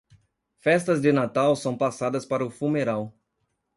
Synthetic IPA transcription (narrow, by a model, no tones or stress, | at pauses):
fɛst̪ɐzd͡ʒ̪ɪnat̪awsɐ̃w̃pasad̪ɐspaɾɐʊfumeɾaw